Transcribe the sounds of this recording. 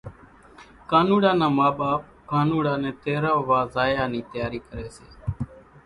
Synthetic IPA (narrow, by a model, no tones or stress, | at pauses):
kaːnuːɽaːnãːmaːɓaːp̚kaːnuːɽaːnɛ̃ːt̪eːɾaːʋaːzaːjaːniːt̪əjaːɾiːkəɾeːseː